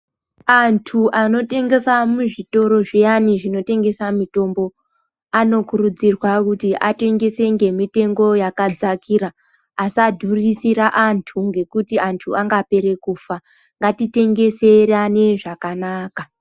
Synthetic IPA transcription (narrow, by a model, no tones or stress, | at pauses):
antʰuʔano̞te̞ŋɡe̞samuʐito̞ɾo̞ʐejaniʐino̞te̞ŋɡe̞samito̞mbo̞ | ano̞kurud͡zirwakutiʔate̞ŋɡe̞se̞ŋɡe̞mite̞ŋɡo̞jakad͡zakiraː | sadʱurisiɾaʔantʰuŋɡe̞kutiantʰuaŋɡape̞ɾe̞kuːfa | ŋɡatite̞ŋɡe̞se̞rane̞ʐakanaːka